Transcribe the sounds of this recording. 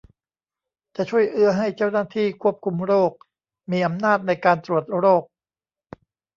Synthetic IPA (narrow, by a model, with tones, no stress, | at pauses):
t͡ɕa˨˩t͡ɕʰu˥˩əjʔɯ˧ɐɦa˥˩jt͡ɕa˥˩wnaː˥˩t̪ʰiː˥˩kʰu˥˩əp̚kʰu˧mɾoː˥˩k̚ | miː˧ʔa˧mnaː˥˩t̪̚na˧jkaː˧nt̪ɾu˨˩ət̪̚ɾoː˥˩k̚